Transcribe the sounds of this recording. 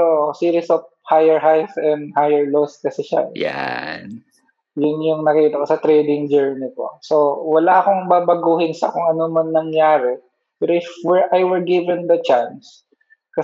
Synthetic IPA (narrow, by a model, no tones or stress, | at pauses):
oʔsiːɾisof | hajɛɹhajfɛnhajɛɹlos̚kɐsɛʃa̰ja̰n | jʊnjʊŋnɐkiːt̪ɐkosɐt̪ɾɛjd̪ɪŋd͡ʒɛɹnɪpo̰sowɐlaʔɐko̞ŋbaːbɐɡuːhɪnsɐkʊŋɐnomɐŋnɐŋjaːɾɛ | pɛːɾoʔɪfwɛɹʔajwɛɹɡivɛnd̪ɐt͡ʃans | kɐ